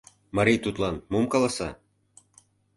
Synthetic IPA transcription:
mɑɾit̪ut̪lɑnmumkɑlˠɑsɑ

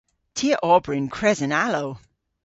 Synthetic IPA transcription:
tʰiəʔɔɹbɹɪ̃nkʰɹ̥ɛzɨ̃naloʊ

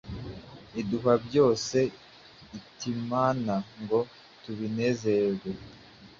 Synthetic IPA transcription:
iduɦabɟo̞ːse̞ | itimanaŋɡo̞ | tuβine̞ze̞ɡwe

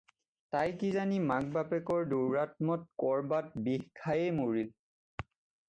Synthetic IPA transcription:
tajkizanimak̚bapɛkɔɹduɹːatmɔt̚kɔɹbat̚bihkʰajɛjmoɹil

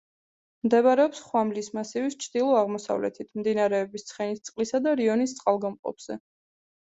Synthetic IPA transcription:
md̪ɛβɾɛɔpsχwamlismasivist͡ʃʰd̪ilˠɔaʁmɔsa̰vlɛ̰t̪ʰit̪ʰmd̪inaɾɛɔbist̪sʰχɛnist̪sʼqʼlisad̪aɾiɔnist̪sʼqʼalˠɡɔmqʼɔ̰pz̥ɛ̰

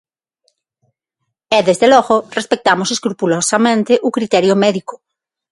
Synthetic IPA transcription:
ɛðezðelɔɣorespek̚t̪amoseskɾupulosamẽnt̪eʔukɾit̪ɛɾjomɛðikʊ̥

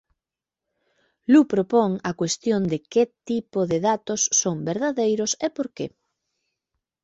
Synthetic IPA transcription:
lupɾopoŋɐkwest̪jond̪ɪket̪ipoðɪðat̪osːoŋbeɾðaðejɾʊsepoɾke

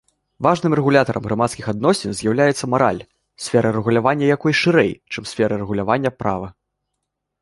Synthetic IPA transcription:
vaʐnɨmrɛɣulʲat̪ɐɾʔɐ̰mɣɾamat̪skʲixad̪̚nɔsʲɛnzʲjawlʲajɛt̪sːɐmaɾa̰lʲ | sʲfʲɛɾʔɐɾɛɣulʲavanʲːɐjakɔjʂɨɾɛ̰jt͡ʂɨmsʲfʲɛɾɐrɛɣulʲavanʲːɐpɾa̰vɐ

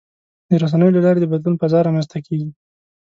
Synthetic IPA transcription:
d̪̥əɾas̬anəjolalɑɾed̪əbad̪lunpazɑɾːɑmanst̪ʰakʰeɡi

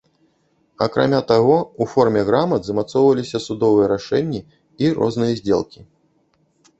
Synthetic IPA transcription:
ɐ̰kɾa̰mʲat̪aɣɔufɔrmʲɛɣɾamɐd̪zɐmat̪sɔwvɐlʲisʲɐsud̪ɔvɨjɛɾaʂɛnʲːi | irʔɔ̰znɨjɐzʲd͡zʲḛlˠkʲi

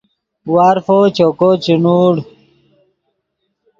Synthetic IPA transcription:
waɾfot͡ɕokot͡ɕinuːɽ

